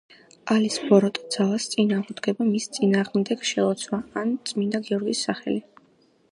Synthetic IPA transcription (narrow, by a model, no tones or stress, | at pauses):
alisbɔɾɔt̪ʼd̪z̥alˠast̪sʼinaːʁud̪ɡɛbamist̪sʼinaːʁmd̪ɛɡʃɛɔt̪sʰwaant̪sʼmind̪aɡɛɔɾɡisːaχɛ̰li